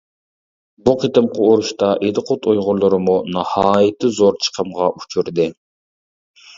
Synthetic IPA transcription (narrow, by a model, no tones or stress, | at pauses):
buqʰit̪ɨmqʰəoɾuʃt̪ɑʔed̪ɨqʰot̪ʰojʁʊɾlˠɨɾɨmunɑhɑːjɪt̪ʰɪzoɾt͡ʃʰə̥qʰəmʁɑʔut͡ʃʰuɾd̪ɨ